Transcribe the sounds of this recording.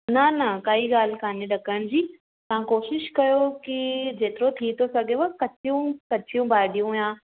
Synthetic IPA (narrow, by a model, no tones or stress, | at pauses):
nɐnɐkaːiɡaːl̤kaːnẽɖɐkəɽ̃d͡ʑiː | t̪ɐ̤ãkoːʃɪʃkɐjokid͡ʑeːt̪ɪɾot̪ʰit̪ʰosɐɡʱeʋɐkɐt͡ʃʰijũkɐt͡ʃʰijũbaːɪɖijũjãː